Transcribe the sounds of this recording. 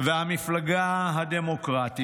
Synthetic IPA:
vehamiflaɡaɦad̪emokʁat̪i

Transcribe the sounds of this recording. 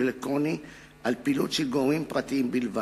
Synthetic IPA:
elektʁoni | ʔalpilutʃelɡomimpʁat̪iimbilva

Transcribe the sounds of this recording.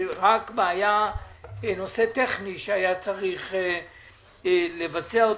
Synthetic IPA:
ʁakbaːja | no̞se̞t̪eχniʃeajat͡saʁiχ | levat͡seao

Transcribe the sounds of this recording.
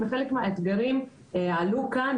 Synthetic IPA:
veχelekmeaet̪ɡaʁim | alukan

